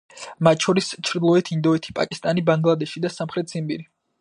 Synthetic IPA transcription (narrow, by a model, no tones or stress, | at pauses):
mat̪ʼt͡ʃʰɔɾist͡ʃʰɾd̪lˠɔɛt̪ʰind̪ɔɛt̪ʰi̥pʼa̰kʼist̪ʼanibaŋɡlˠad̪ɛʃid̪asamχɾɛt̪̚ʰz̥imbḭɾi